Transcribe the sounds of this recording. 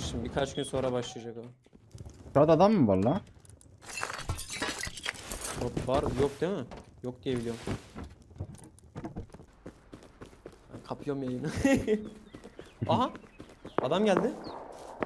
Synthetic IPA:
ʃimbikʰat͡ʃɟynso̞nɾabaʃlˠɯjad͡ʒakolˠ | t̪ʰad̪ad̪amːɯvalˠːaː | ovaɾjok̚d̪emɪjok̚d̪ijebilʲijom | ha̰kʰapʰɯjomjajɯnɯ | aɦa | ad̪amɟælʲd̪ɪ

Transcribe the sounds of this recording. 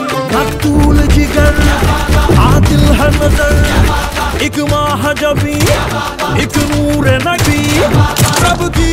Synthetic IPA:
mɐkt̪uːld͡ʒɪɡɐn | aːd̪ɪlɦɐnɐzɐɾ | ɪkmaːɦɐd͡ʒɐʋi | ɪknuːɾenɐki | ɾɐbki

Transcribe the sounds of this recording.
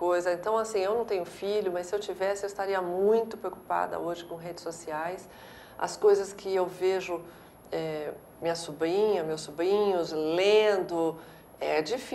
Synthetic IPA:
kojzɐẽnt̪ɐ̃w̃asĩewnɐ̃w̃t̪ẽɲʊfiʎʊmɐssɪewt͡ʃivɛsɪewɪst̪aɾiɐmũj̃t̪ʊpɾeowkupa̰d̪ɐ̰oʒɪkõɦed͡ʒɪsosiajs | ɐ̰skojzɐskɪewveʒʊ | ɛ | mĩɐsubɾĩɲɐmewsːubɾĩɲʊslẽd̪ʊ | ɛd͡ʒif

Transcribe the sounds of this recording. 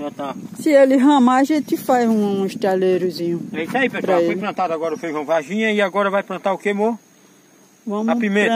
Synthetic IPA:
ɐ̃t̪asɪelɪɦɐ̃maʒẽt̪ɪfazũũiʃt̪aleɾʊzĩɲʊɛisaipɛpɾɐeojlplɐ̃t̪ad̪ʊaɡɔɾɐfejɐ̃vaʒĩɲɐɪaɡɔɾɐvajplɐ̃nt̪aʊkemo | vɐ̃mapimẽɾ

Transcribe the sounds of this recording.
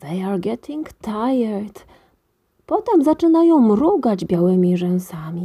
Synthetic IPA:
ðejaɾɡɛt̪ʰĩŋɡt̪ʰajɛɾd̪̥ | pɔt̪ɛmzat͡ʂɘnajɔ̃w̃mɾuɡad͡ʑbʲjawɘmʲiʐɛw̃samʲi

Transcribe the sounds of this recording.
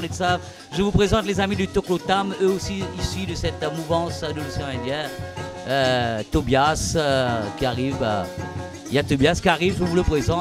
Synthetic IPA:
nesav | ʒəvupχezɑ̃t̪lezamid̪yt̪oklot̪amøosiisɥyd̪əsɛt̪muvɑ̃sd̪əmysɔ̃ɛ̃d̪jɛnøt̪objaskʲiaʁiva | jat̪objaskʲiaʁivʒəvuləpχezɑ̃

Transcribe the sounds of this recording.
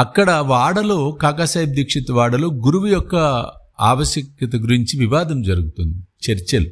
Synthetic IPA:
ɐkːɐɽɐʋaːɽɐloːkaːkaːsaːjɐb̚d̪iːkʂit̪ɐʋaːɽɐloːɡuɾuʋujɔkːɐaːʋɐʃjɐkjɐt̪ɐɡuɾiɲt͡ʃiʋiʋaːd̪ɐmd͡ʒɐɾuɡut̪und̪it͡ʃeɾt͡ʃelu

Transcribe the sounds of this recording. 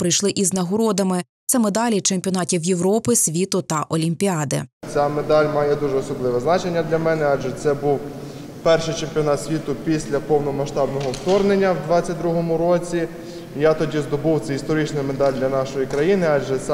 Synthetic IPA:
pɾɪjʃlˠɪʔiznɐɦɔɾɔd̪ɐmɪ | t̪sɛmed̪ɑlʲit͡ʃemʲpʲiɔnɑtʲiwjeʋɾɔpɪsʲʋʲit̪ʊt̪ɐʔɔlʲimʲpʲiɑd̪ɪ̰t͡sʲamed̪ɑlʲmɑjɛd̪uʒɛɔsɔblˠɪʋɛznɑt͡ʃe̞nʲːɐd̪lʲɐmɛnɛɑʒɛt̪sɛbuw | pɛrʃɪjt͡ʃemʲpʲiɔnɑt̪sʲʋʲit̪ʊpʲisʲlʲɐpɔwnɔmɐʃt̪ɑbnɔɦɔwt̪ɔrnenʲːɐwd̪ʋɑt͡sʲːɐt̚ʲd̪ɾuɦɔmʊɾɔt͡sʲi | jat̪ɔdʲizd̪ɔbuwt̪sɛist̪ɔɾɪt͡ʃnɐmed̪ɑlʲd̪lʲɐnɑʃɔjikɾɐjinɪɑd͡ʒʒɛsɛ

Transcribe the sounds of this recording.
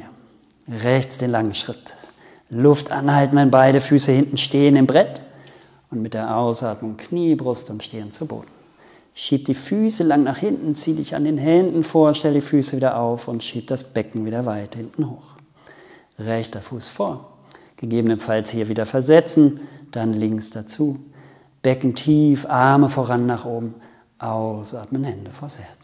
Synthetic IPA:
ʁɛçt͡sd̥eːnlaŋənʃʁ̥ɪt | lʊftʔa̰nhaltn̩anbaɪɾəfyːsəhɪntn̩ʃteːənɪmbʁɛt | ʔʊntmɪt̚d̥eːɐʔaʊsʔaːɐtmʊŋkʰniːbʁʊstʊmʃteːənt͡subo̰ːdn̩ | ʃiːp̚d̥iːfyːsəlaŋnaːχhɪntn̩t͡siːədɪça̰ndeːnɦɛndn̩foːɐʃtɛlədiːfyːsəviːdɐʔaʊfʊntʃiːp̚d̥asb̥ɛkŋ̩viːdɐvaɪthɪntn̩hoːx | ʁɛçtɐfuːsfoːɐ | ɡ̥əɡeːbənənfalshiːɐviːdɐfɛɐzɛt͡sn̩d̥anlɪŋksd̥at͡suː | b̥ɛkŋ̩tʰiːfʔaɐməfoːʁanːaːχʔoːbm̩ | ʔaʊsʔaɐtmənhɛndəfoːɐshɛɐt͡s

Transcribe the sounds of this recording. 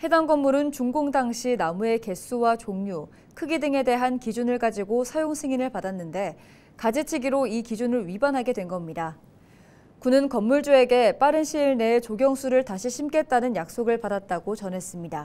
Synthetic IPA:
he̞daŋɡʌmːuɾɯnt͡ɕuŋɡoŋdaŋɕʰinamue̞ke̞s͈ʰuwat͡ɕoŋɲu | kʰɯɡidɯŋe̞de̞ɦankid͡ʑunɯɭkad͡ʑiɡosʰajoŋsʰɯŋinɯɭpadanːɯnde̞ | kad͡ʑet͡ɕʰiɡiɾoikid͡ʑunɯɭɥibanɦaɡe̞dwenɡʌmɲida | kunɯnkʌmːuɭd͡ʑue̞ɡe̞p͈aɾɯnɕʰiːɭne̞ːt͡ɕoɡjʌŋsʰuɾɯɭtaɕʰiɕʰimk͈e̞t̚t͈anɯnjak̚s͈oɡɯɭpadat̚t͈aɡot͡ɕʌnɦe̞s͈ɯmɲida

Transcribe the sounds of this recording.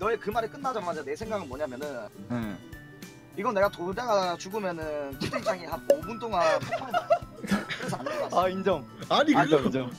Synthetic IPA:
nʌekɯmaɾɯɭk͈ɯnːad͡ʑamad͡ʑane̞sʰe̞ŋɡaɡɯɭnmwʌɲamjʌnɯne | iɡʌne̞ɡatodaɡat͡ɕuɡɯmjʌnɯntʰedeit͡ɕ͈aŋiɦanomunt͈oŋanpʰopʰamenakɯɾesʰa̰neaaind͡ʑʌm | aɲiind͡ʑʌind͡ʑʌm

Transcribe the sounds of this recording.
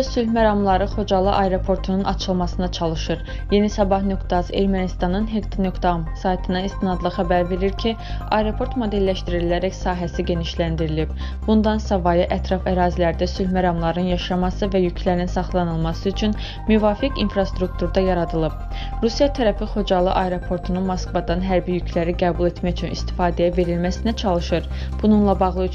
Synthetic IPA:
sylmæɾɑmlˠɑɾɯχo̞d͡ʒɑlˠɯʔɑjɾo̞pʰo̞ɾt̪ʰununʔɑt͡ʃʰɯlˠmɑsɯnd̪ɑt͡ʃʰɑlˠɯʃɯɾ | je̞nisɑbɑhnøkt̪ʰɑze̞̰ɾmænist̪ɑnɯnɦeɡt̪inøkt̪msɑjt̪ʰɯnɑist̪inɑd̪lˠɑχæbæɾve̞ɾiɾcʰi | ɑjɾo̞pʰo̞ɾt̪mo̞d̪e̞lːæʃt̪iɾilæɾæcsɑːɦæsiɟe̞niʃlænd̪iɾilib̥ | b̥und̪ɑnsɑvɑjɯʔæt̪ʰɾɑfæɾɑːzilæɾd̪æsylmæɾɑmlˠɑɾɯnjɑʃɑmɑsɯvæjycʰlæɾninsɑχlˠɑnɯlˠmɑsɯyt͡ʃʰyn | myvɑːfikḭnfɾɑst̪ɾuk̚t̪ʰuɾd̪ɑjɑɾɑd̪ɯlˠɯb̥̚ | ɾusjɑt̪ʰæɾæfiχo̞d͡ʒɑlˠɯʔɑjɾo̞pʰo̞ɾt̪ʰununmoskvɑd̪ɑnɦæɾbijycʰlæɾiɡæːbulˠe̞t̪mæçyt͡ʃʰynist̪i̥fɑːd̪ɛjæve̞ɾilmæsinæt͡ʃʰɑlˠɯʃɯɾ | b̥ununlˠɑbɑɣlˠɯ

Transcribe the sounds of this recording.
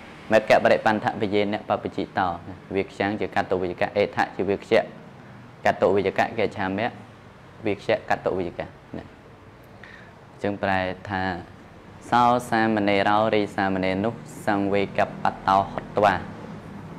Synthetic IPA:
mɛəʔkːɛəʔpaɾɛʔpant̪ʰaʔpijeːnɛ̆əʔpap̚pit͡ɕiːt̪ɑːnʋiəkʰɕaŋt͡ɕiəkat̪ːoʔʋɨjaka̰ʔeːt̪ʰa̰ʔt͡ɕiəʋiəkʰɕɛ̆əʔ | kat̪ːoʔʋɨəka̰ʔkɛt͡ɕʰaːmɛəʔ | ʋiəkʰɕɛ̆əʔkat̪ːoʔʋɨakaʔ | nɛ̰ | t͡ɕɨŋpraɛt̪ʰaː | saɔsaːməneːɾaɔɾiːsaːməneːnʊ̆əhsaŋʋeːkapːat̪ːaɔhot̪ːʋaː

